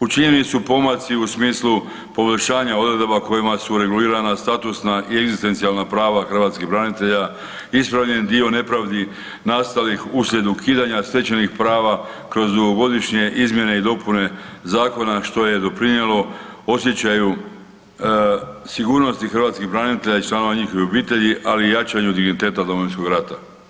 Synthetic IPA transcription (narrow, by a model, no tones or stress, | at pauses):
ut͡ʃiɲenit̪supo̞mat̪siusmiːslu | po̞ʋoʎʃaːɲao̞d̪ɾe̞d̪o̞bako̞jimasuɾe̞ɡuliːɾanast̪at̪usnaʔie̞ɡzist̪e̞nt̪sijalnapɾaːʋaxr̩ʋaːt̪skiɦbɾanit̪eʎa | ispɾaʋʎe̞nd̪io̞ne̞pɾaʋd̪i | nast̪alixusʎʲe̞d̪ukʰiːd̪aɲast̪e̞t͡ɕenixpɾaːʋa | kɾo̞zd̪uɡo̞ɡo̞d̪iʃɲe̞ʔizmje̞ne̞id̪o̞pune̞zaːko̞naʃt̪o̞je̞d̪o̞pɾinjelo̞ | o̞sjet͡ɕaju | siɡuːɾno̞st̪ixr̩ʋat̪skiɦbɾanit̪e̞ʎait͡ʃlˠano̞ʋaɲixo̞ʋiobiːt̪e̞ʎiʔaliːjat͡ʃaɲud̪iɡnit̪e̞ːt̪ad̪o̞moinsko̞ɡɾat̪a